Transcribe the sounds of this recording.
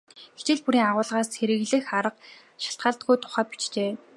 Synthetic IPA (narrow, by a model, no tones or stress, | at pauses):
xe̥t͡ɕɪ̆ɮpuɾiːŋaʁʊːɮʁaːsxeɾɘ̆ɣɮɘ̆xaɾə̆q̚ | ʃḁɬt̪̚ɢaːɮt̪̚ɡujt̪ʰʊ̥χæːpi̥t͡ɕt͡ɕeː